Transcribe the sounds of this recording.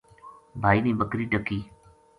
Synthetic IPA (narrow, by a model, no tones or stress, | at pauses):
bʱaːiːnĩːɓəkɾiːʈəkiː